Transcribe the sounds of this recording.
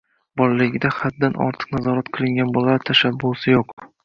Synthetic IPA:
bɒɾlɪɡʲɪd̪aχat̪̚d̪anʔɒ̰ɾt̪ʰɨ̥qnazɒɾat̪̚qʰɨlˠɪŋɡʲanbɒlˠaɾt̪ʰaʃabːʊsɪjoq

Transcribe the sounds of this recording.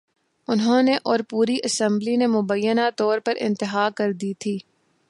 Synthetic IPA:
ʊnɦõːneʔɔːɾpuːɾiʔɐsɛ̃mblinemʊbəjːənat̪ɔːɾpɐɾɪ̰̃nt̪ɪɦaːkɐɾd̪iːt̪ʰiː

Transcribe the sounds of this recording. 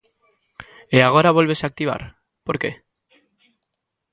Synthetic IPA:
eaɣ̞o̞ɾaβoelβ̞e̞saːk̚t̪iβ̞a̰ɾ | po̞ɾke̞̰

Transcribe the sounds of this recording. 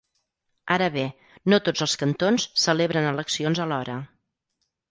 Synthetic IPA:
aɾəβe | not̪od͡zəlˠskənt̪onsːəleβɾənələksionzəlɔɾə

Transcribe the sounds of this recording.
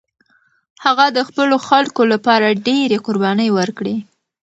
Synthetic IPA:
haɣad̪əxpəloxalkolapɑɾaɖeɾeqʊɾbɑnəjwəɾkɽe

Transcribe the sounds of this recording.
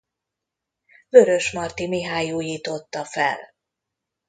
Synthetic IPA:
vø̞ɾø̞ʃmɒrt̪imiɦaːjuːjiːt̪o̞t̪ːɒfɛ̰l

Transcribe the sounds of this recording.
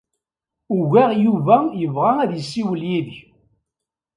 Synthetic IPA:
ʊʝæʁjuvæjəvʁaæðjəsːiwəljiðç

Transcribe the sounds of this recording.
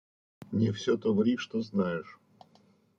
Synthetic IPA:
nʲɪfsʲot̪ovɐɾʲiʂt̪oznajɪʂ

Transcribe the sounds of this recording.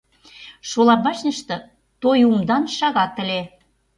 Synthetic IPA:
ʃolɑbɑʃnə̆ʃt̪ɤ̆ | t̪ojumd̪ɑnʃɑɣɑt̪ə̆lʲe

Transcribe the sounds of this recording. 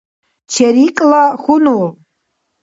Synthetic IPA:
t͡ʃʰaɾikʼlaχʷʊno

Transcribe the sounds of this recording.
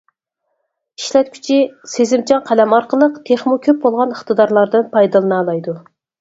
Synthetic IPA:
iʃlɛt̪̚kʲʰy̥t͡ʃʰisezɪmt͡ʃʰɑŋqʰælɛmɑɾqəlˠəqt̪ʰeχmukʲʰøp̚bolˠʁɑnəχt̪ʰɨd̪ɑɾlˠɑɾd̪ɨnpʰɑjd̪ɨlˠɨnɑːlˠɑjd̪u

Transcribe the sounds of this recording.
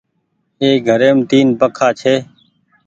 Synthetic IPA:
eːɡʱəɾeːmt̪iːnbəkʰaːt͡ʃʰeː

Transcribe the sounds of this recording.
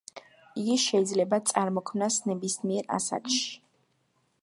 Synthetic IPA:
iɡiʃɛid̪zlɛbat̪sʼaɾmɔkʰmnasnɛbismiɛɾa̰sa̰kʰʃi̥

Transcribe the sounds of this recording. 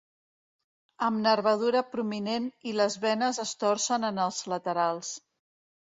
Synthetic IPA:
əmnərβəð̞uɾəpɾumineniləzβɛnəzəst̪ɔrsənənəlˠzlət̪əɾalˠs

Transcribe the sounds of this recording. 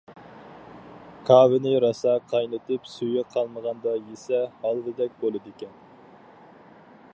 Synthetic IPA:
kʰɑːvɪnɪɾɑsɑqʰɑjnɨt̪ʰɨpsyjʲɛqʰɑlˠməʁɑnd̪ɑjesɛhɑlˠd̪ɨd̪ɛk̚ʲbolˠɨd̪ekʲɛn

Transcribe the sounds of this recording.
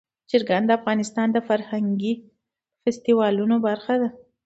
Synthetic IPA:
ʃəɾɡand̪əafɣɑnɪst̪ɑnd̪əfaɾhaŋɡi | fast̪iwɑlunobaɾxad̪a

